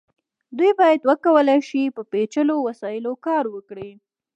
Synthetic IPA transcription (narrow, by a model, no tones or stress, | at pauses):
d̪ujbɑjad̪wəkawəlajʃipəpet͡ʃəlowasɑjɪlokɑɾwəkɽi